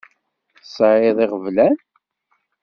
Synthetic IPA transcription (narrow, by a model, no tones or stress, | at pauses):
sˤʕɪðˤiʁəvlæn